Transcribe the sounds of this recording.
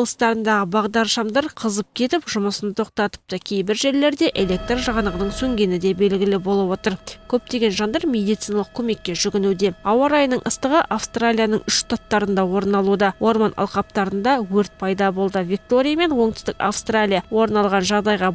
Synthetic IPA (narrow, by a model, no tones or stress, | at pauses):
lˠəst̪ɑɾənd̪ɑʁəbɑʁd̪ɑɾʃɑmd̪ɑɾqʰəzəp̚kʲʰe̞t̪ɪpʒʊməsənt̪ʰo̞q̚t̪ɑt̪ə̥p̚t̪ɑkʲʰe̞jbɪɾʒe̞ɾle̞ɾd̪e̞ʔe̞lʲe̞k̚t̪rʒɑʁɑnəʁənəɴsɵŋɡʲe̞nɪd̪e̞be̞lɡʲɪlɪbo̞lˠəpwo̞t̪əɾkʲʰɵp̚t̪e̞ɡʲe̞nʒɑnd̪ɑɾmʲe̞d̪ijt̪sijnɑlˠəq̚kʲʰɵme̞kʲːe̞ʒʏɡʲɪnud̪e̞ɑwɑɾɑjnəɴʔə̰st̪əʁəʔafst̪ralʲijanəɴʏʃt̪ʰat̪ːɑɾənd̪ɑwo̞ɾnɑlˠud̪ɑwo̞ɾmɑnʔɑ̰lˠqɑp̚t̪ɑɾənd̪ɑwɵɾt̪̚pʰɑjd̪ɑbo̞lˠd̪əvʲik̚t̪o̞ɾʲijame̞nwo̞ɴt̪ɪ̥st̪ɪka̰fst̪ralʲijawo̞ɾnɑlˠʁɑnʒɑʁd̪ɑjʁɑ